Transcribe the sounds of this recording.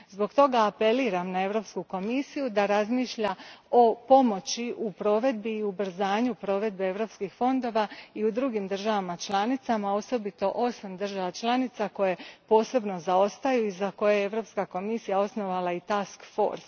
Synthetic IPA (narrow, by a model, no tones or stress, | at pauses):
zbo̞ɡt̪o̞ɡaːpe̞liːɾamnae̞ʋɾo̞pskuko̞misijud̪aɾazmiʃʎao̞po̞mo̞t͡ɕiʔupɾo̞ʋe̞d̪̚biːubr̩zaːɲupɾo̞ʋe̞d̪̚beeʋɾo̞pskixfo̞nd̪o̞ːʋaiud̪ɾuɡimd̪r̩ʒaʋamat͡ʃlˠanit̪samao̞so̞bit̪o̞ʔo̞samd̪r̩ʒaʋat͡ʃlˠanit̪sako̞je̞po̞ːse̞bno̞zao̞st̪ajuizako̞jejeeʋɾo̞pskako̞misijao̞sno̞ʋalait̪askfo̞̰ːɾs